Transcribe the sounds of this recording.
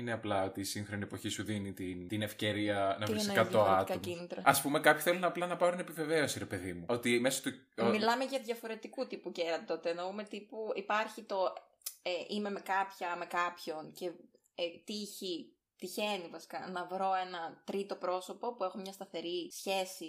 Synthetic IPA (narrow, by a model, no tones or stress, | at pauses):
ineɐplɐo̞t̪iːsiŋxɾo̞niepo̞çisuðinit̪int̪inefce̞ɾiɐnɐvɾiesnkɐɐoɐt̪kɐominit̪ɾɐɐspume̞kɐpçu̥θelonɐplɐnɐpɐot̪inepive̞veo̞siɾepe̞ðimuot̪imesot̪umilɐme̞ʝɐðjɐfo̞ɾe̞t̪ikut̪ipuceɾɐt̪t̪o̞t̪enoume̞t̪ipuipɐɾçit̪o̞ | eʔime̞me̞kɐpçɐme̞kɐpço̞nce̞ | et̪içi | t̪içe̞nivɐsi̥kɐnɐvɾo̞e̞nɐt̪ɾit̪o̞pɾo̞so̞po̞pue̞xomɲɐst̪ɐθe̞ɾisçe̞si